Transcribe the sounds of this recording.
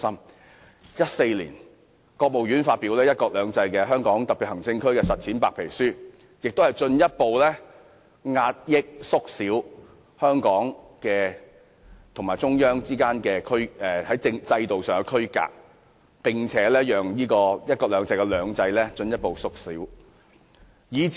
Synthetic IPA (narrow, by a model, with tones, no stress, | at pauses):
sɐ˥m | jɐ˥t̚se˧jlḭː˨˩n | kɔː˧k̚mo˨wjɥyː˨˥nfaː˧t̚piː˨˥wlɛː˥jɐ˥t̚kɔː˧k̚lœː˨˧ŋt͡sɐ˧jkɛː˧ɦœː˥ŋkɔː˨˥ŋt̪ɐ˨pi˨t̚hɐ˨˩ŋt͡sɪ˧ŋkʰɵ˥ɥkɛː˧sɐ˨t̚t͡sʰiː˨˥npaː˧k̚pʰe˨˩jsyː˥ | jɪ˨k̚t̪o˥hɐ˨jt͡sɵ˧njɐ˥t̚po˨wlɛː˥ | ŋaː˧t̚jɪ˥k̚sʊ˥k̚siː˨˥w | hœː˥ŋkɔː˨˥ŋkɛː˧ | t̪ʰʊ˨˩ŋmaː˨˩t͡sʊ˥ŋjœː˥ŋt͡siː˥kaː˥nkɛː˧kʰɵ˥ɥɛ˨hɐ˨˥jt͡sɪ˧ŋt͡sɐ˧jt̪o˨wsœː˨˩ŋɛ˧kʰɵ˥ɥka̰ː˧k̚ | pɪ˨˩ŋt͡sʰɛː˨˦˥lɛː˥jœː˨ŋjiː˥kɔː˧jɐ˥t̚kɔː˧k̚lœː˨˧ŋt͡sɐ˧jkɛ˧lœː˨˧ŋt͡sɐ˧jlɛː˥t͡ʃɵ˧njɐ˥t̚po˨wsʊ˥k̚siː˨˥w | jiː˨˧